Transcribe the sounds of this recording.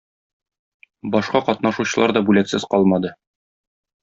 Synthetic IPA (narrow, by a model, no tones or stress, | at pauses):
bɒʃqɑqɒt̪nɑʃuɕɤ̆lˠɑɾd̪ɒbʉlæksɘzqɒlˠmɑd̪ɤ